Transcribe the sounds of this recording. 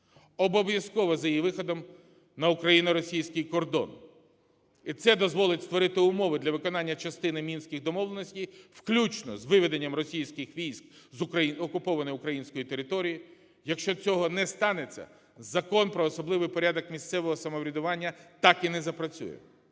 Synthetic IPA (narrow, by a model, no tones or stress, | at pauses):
ɔbɔʋjɐskɔʋɐzɐjiʋɪxɔd̪ɔm | nɐʊkɾɐjinɐɾɔsʲijsʲkɪjkɔrd̪ɔ̰n | it̪sɛd̪ɔzʋɔlˠɪtʲst̪ʋɔɾɪt̪ɪʊmɔʋɪd̪lʲɐʋɪkɔnɑnʲːɐt͡ʃɐst̪ɪnɪmʲinsʲkʲɪɣd̪ɔmɔʋlˠenɔsʲtʲijfklʲut͡ʃnɔ̰zʋɪʋed̪enʲːɐmrɔsʲijsʲkɪxʋʲijsʲkzʊɐiɔkʊpɔʋɐnɔjʊkɾɐjinʲsʲkɔjit̪eɾɪt̪ɔɾʲiji | jɐkʃt͡ʃɔt͡sʲɔɦɔnɛst̪ɑnet͡sʲːɐ̰ | zɐkɔnpɾɔːsɔblˠɪʋɪjpɔɾʲad̪ɔkmʲisʲt̪sɛʋɔɦɔsɐmɔʋɾʲid̪ʊʋɑnʲːɐt̪ɑkinɛzɐpɾɐt͡sʲṵjɛ̰